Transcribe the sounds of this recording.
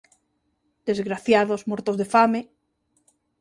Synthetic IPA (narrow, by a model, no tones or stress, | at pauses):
d̪̥ezɣɾaθjaðozmoɾt̪oðefame